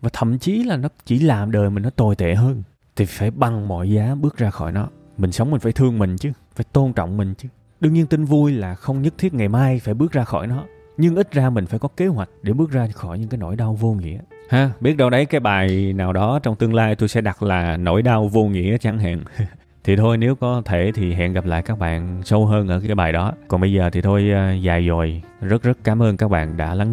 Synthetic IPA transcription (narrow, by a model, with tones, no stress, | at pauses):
vaː˨˩t̪ʰə̰˧˨mt͡ɕi˨˦laː˨˩nɔ˨˦t͡ɕi˧˩laː˨˩mɗəː˨˩jmï˨˩nɔ˨˦t̪o˨˩jt̪ḛ˧˨ɦəː˧n | t̪ʰi˨˩faː˧˩jɓa˨˩ŋmɔ̰˧˨jzaː˨˦ɓɨ˦˥ək̚zaː˧xɔ̰˧˩jnɔ˨˦ | mï˨˩ŋ̟sə˨˦wŋ͡mmï̟˨˩faː˧˩jt̪ʰɨ˧əŋmï˨˩ŋ̟t͡ɕɨ˨˦ | faː˧˩jt̪o˧nt͡ɕɔ̰˧˨wŋ͡mmï˨˩ŋ̟t͡ɕɨ˨˦ | ɗɨ˧əŋɲi˧ənt̪i˧ŋ̟vu˧jlaː˨˩xə˧wŋ͡mɲə˦˥t̚t̪ʰi˦˥ət̚ŋa˨˩jmaː˧jfaː˧˩jɓɨ˦˥əzaː˧xɔ˧˩jnɔ˨˦ | ɲɨ˧ŋʔi˦˥t̟̚zaː˧mï˨˩ŋ̟faː˧˩jkɔ˨˦ke˨˦ɦwa˨˩jk̟̚ɗe˧˩ɓɨ˦˥ək̚zaː˧xɔ˧˩jɲɨ̰˧ŋkaː˨˦jno̰˧˩jɗa˧wvo˧ŋḭ˧˥ə | haː˨˦ɓi˦˥t̚ɗə˧wɗə˨˦jkaː˨˦jɓaː˨˩jnaː˨˩wɗɔ˨˦t͡ɕɔ˧wŋ͡mt̪ɨ˧əŋlaː˧jt̪o˧jsɛ̰˧˥ɗa˨˩t̚laː˨˩no̰˧˥jɗa˧wvo˧ŋḭ˧˥əʔə˨˦t͡ɕa˧˩ŋɦa̰ː˧˨n | t̪ʰi˨˩t̪ʰo˧jne˨˦wkɔ˨˦t̪ʰe˧˩t̪ʰi˨˩ɦa̰˧˨nɣa˨˩p̚la̰ː˧˨jkaː˦˥k̚ɓa̰ː˧˨nsə˧wɦəː˧nʔəː˧˩kaː˨˦jɓaː˨˩jɗɔ˨˦kɔ˨˩nɓə˧jzəː˨˩t̪ʰi˨˩t̪ʰo˧jzaː˨˩jzo˨˩j | zə˦˥t̚zə˦˥t̚kaː˨˦mʔəː˧nkaː˦˥k̚ɓa̰ː˧˨nɗa̰ː˧˥la˨˦ŋ